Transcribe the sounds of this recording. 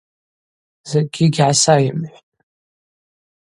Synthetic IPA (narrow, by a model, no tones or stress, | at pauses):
z̥eɡʲɪɡʲʕasajɪmħʷtʼ